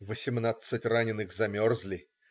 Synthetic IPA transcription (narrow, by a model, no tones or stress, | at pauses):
vəsʲɪmnat̪sɨtʲranʲɪnɨxzɐmʲorzʲlʲɪ